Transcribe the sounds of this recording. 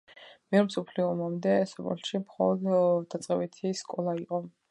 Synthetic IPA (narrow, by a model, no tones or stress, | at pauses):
mɛɾmsɔpʰliɔːmamd̪ɛsɔpɛ̰lʃimχɔlˠɔd̪ːat̪sʼqʼɛbit̪ʰiskʼɔlˠaiqʼɔ